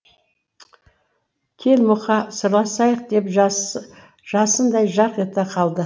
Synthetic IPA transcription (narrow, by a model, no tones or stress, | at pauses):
kʲʰe̞lmʊχɑsəɾlˠɑsɑjəq̚d̪e̞p | ʒ̥ɑsənd̪ɑjʒɑqet̪ɪqʰɑlˠd̪ə